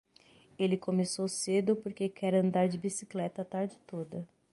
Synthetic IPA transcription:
elɪkomesowsed̪ʊpoɾkekʰɛɾɐ̃nd̪aɾd͡ʒɪbisiklɛt̪ɐːt̪aɾd͡ʒɪt̪od̪ɐ

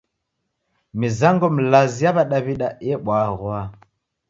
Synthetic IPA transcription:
mizaŋɡɔm̩lazijaβaɗaβiɗajɛɓwaːɣwa

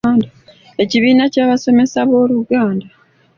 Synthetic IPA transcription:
nda | e̞ciβiːnacaːβaso̞me̞saβo̞ːluɡaːnda

